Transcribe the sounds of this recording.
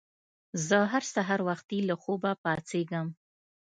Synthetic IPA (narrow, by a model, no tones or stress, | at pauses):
zəɦaɾsaɦaɾwaxt̪ilaxobapɑt͡seɡəm